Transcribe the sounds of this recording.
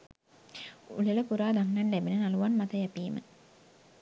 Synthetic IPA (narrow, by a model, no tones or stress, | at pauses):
ṵleləkuɾaːd̪aŋnanlæbinənaluʋanmat̪əjæpiːmə̰